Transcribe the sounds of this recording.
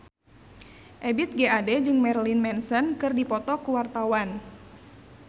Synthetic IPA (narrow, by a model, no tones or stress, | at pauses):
ʔɛbit̪̚ɡeadɛd͡ʒɨŋmɛrlinmɛnsənkɨrdipɔt̪ɔkuwart̪awan